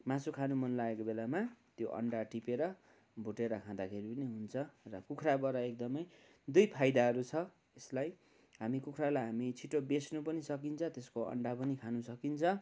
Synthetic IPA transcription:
mãsukʰanumʌnlaekobelamat̪joʔʌ̰ɳɖaʈipeɾʌ | bʱuʈeɾʌkʰãd̪akʰeɾipʌniɦunt͡sʰʌrʌkukʰrabʌɾʌek̚d̪ʌmʌj | d̪ujpʰajd̪aɦʌɾut͡sʰʌ | eslaj | ɦamikukʰralajɦamit͡sʰiʈobesnupʌnisʌk̬int͡sʰʌ̃t̪eskoʌ̰ɳɖapʌnikʰanusʌkint͡sʰʌ

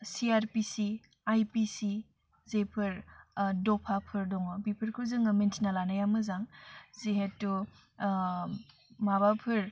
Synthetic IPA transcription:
siaɾpisi | ajpisi | zepʰɯɾdɔpʰapʰɯɾdɔŋɔbipʰɯɾkʰɯzɯŋɐmentʰinalanajamɯzaŋzeɦed̚tːu | mabapʰɯɾ

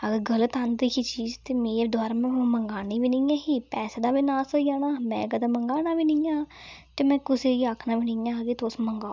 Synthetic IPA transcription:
əɡəɾɡələt̪and̪iːkit͡ʃiːzt̪eːmẽːd̪waːɾmɛ̃ːməŋɡaːniːʋiːniːãːɦiːpɛːseːd̪aːʋɪnaːsoːijaːnaːmɛ̰̃ːkəd̪aːməŋɡaːnaːʋiːnɪjãːt̪eːmɛ̃ːkʊseːiːakʰnaːʋinijãːɡiːt̪osməŋɡaː

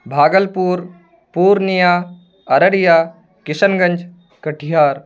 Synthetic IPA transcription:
bʱaːɡəlpuːɾ | puːɾnijaː | ɐɾəɽijaː | kɪsənɡɐ̃ɲd͡ʒ | kɐʈʰijaːɾ

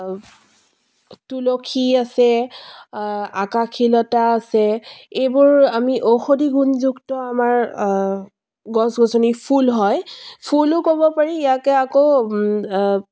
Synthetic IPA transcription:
tulokʰiasɛ | akakʰilɔtaːsɛejbʊɹamiʔoxodiɡunzuktɔamaɹ | ɡɔsɡɔzɔnipʰulɦɔjpʰulʊkobɔpaɹiːjakɛako

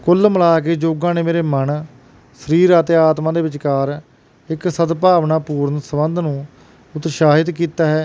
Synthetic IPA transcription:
kʊlməlaːk̬eːd͡ʒoːɡãːneːmeːɾeːmən | səɾiːɾat̪eːaːt̪mãːd̪eːʋɪt͡ʃkaːɾ | ɪksəd̪paːʋnaːpuːɾnsəbənd̪nũː | ʊt̪ʃaːɦɪt̪kiːt̪aːɦɛː

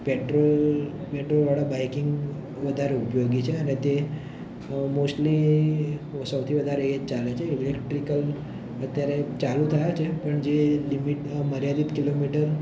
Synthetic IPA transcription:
peʈɾol | peʈɾolʋaɽabajkiŋɡ | ʋəd̪ʱaɾeupjoɡit͡ʃʰeənet̪e | mosʈli | səwt̪ʰiʋəd̪ʱaɾeet͡ʃalet͡ʃʰeilekʈɾikəl | ət̪jaɾet͡ʃalũt̪ʰəjat͡ʃʰepəɳd͡ʒelimiʈməɾjad̪it̪kilomiʈəɾ

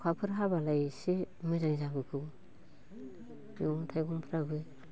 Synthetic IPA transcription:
kʰapʰɯɾɦaβalajsemɯzaŋzabɯkʰɯw | juŋtʰajɡuŋpʰɾabɯ

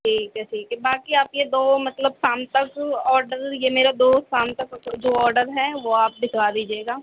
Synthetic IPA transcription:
ʈʰiːkːɛsiːkebaːkiaːpjed̪oːmɐt̪ləbsaːmt̪ɐkɔːɾɖəɾjemeːɾad̪oːsaːmt̪ɐkd͡ʒoːɔːɾɖəɾɦɛʋoaːp̚dɪkʰaːd̪iːd͡ʒieːɡaː

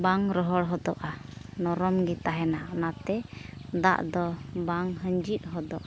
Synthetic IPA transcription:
baŋɾɔɦɔɽɦɔd̪ɔʔanɔɾɔmɡit̪aɦɛnanat̪ɛd̪a̰ʔd̪ɔbaŋɦəɲd͡ʒit̪̚ˀɦɔd̪ɔʔa

